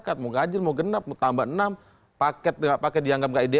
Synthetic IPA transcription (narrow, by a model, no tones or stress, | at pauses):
kat̪̚moɡad͡ʒɪlmoɡənap̚mot̪ambaʔənam | pakɛt̪̚ŋaʔpakɛt̪̚diaŋɡap̚ŋɡaʔide